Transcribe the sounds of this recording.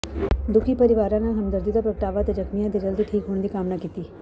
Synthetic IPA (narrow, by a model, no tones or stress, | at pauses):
d̪ʊkʰipɐɾɪʋaːɾãnaɦɐmd̪əɾd̪id̪apɾəʋ̚ʈaːʋat̪ed͡ʒɐkmijãd̪id͡ʒəld̪iʈʰiːkɦoːɳ̃d̪ikaːmnakiːt̪iː